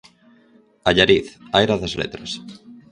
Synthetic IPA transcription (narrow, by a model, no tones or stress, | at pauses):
aʎaɾiθajɾaðazlḛt̪ɾos